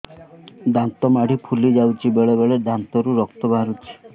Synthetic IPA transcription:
d̪ant̪ɔmaɽ̤ipʰulid͡ʒawt͡ʃʰibeɭebeɭed̪ant̪ɔɾuɾɔk̚t̪ɔbʱaɾut͡ʃʰi̥

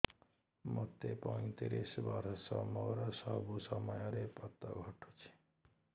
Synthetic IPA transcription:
mot̪epɔj̃t̪iɾisbaɾsɔmɔɾɔsɔbusɔmɔjɔɾepɔt̪ːɔ̰ɡʱɔʈʰo̥t͡ʃʰi̥

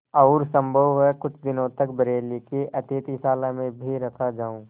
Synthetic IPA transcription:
ɔːɾsɐ̃mbʱəʋːɛkʊt͡ʃʰd̪ɪnõt̪ɐkbɐɾeːlikeʔɐt̪et̪isaːlamẽbʱiɾɐkʰad͡ʒaːũː

